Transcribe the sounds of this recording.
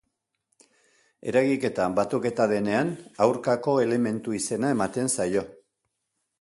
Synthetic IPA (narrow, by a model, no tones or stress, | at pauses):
e̞̰ɾaɣike̞t̪abat̪uke̞t̪aðe̞ne̞anawɾkako̞e̞le̞me̞nt̪uise̞nae̞mat̪e̞nsajo̞